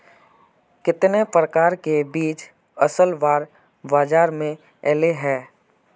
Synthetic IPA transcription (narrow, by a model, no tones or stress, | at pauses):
kɪt̪nepɾəkaːɾkebiːt͡ʃ | əsəlʋaːɾ | baːd͡ʒaːɾmẽ | ɛːleɦɛː